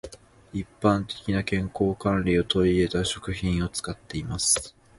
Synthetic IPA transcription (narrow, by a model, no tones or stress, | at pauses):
ipːãnt̪e̞̥kʲinakẽ̞ŋko̞ːkãnɾʲio̞t̪o̞ie̞t̪aɕo̞kɯ̟çĩɰ̃o̞t͡sɨ̥kat̪ːe̞imasɨ̥